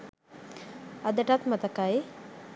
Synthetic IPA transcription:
ad̪əʈat̪mət̪akaj

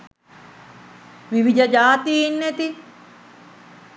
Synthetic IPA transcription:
ʋiʋid͡ʒɐd͡ʒaːt̪inːet̪i

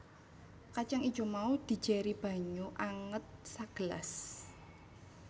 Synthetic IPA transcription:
kat͡ʃaŋi̥d͡ʒ̥o̤maud̪̥i̤̥d͡ʒ̥ɛɾib̥ä̤ɲuʔaŋət̪̚saɡ̥əla̰s

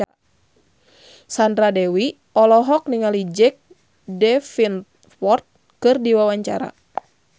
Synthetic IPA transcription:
sandɾadɛwi | ɔlɔɦɔk̚niŋalid͡ʒɛk̚ | dɛfin | fɔrt̪̚ | kɨrdiwawaɲt͡ʃa̰ɾa̰

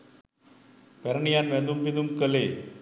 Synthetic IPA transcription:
pɛɾɐɳijaːnʋɛnd̪umpid̪umkɐle

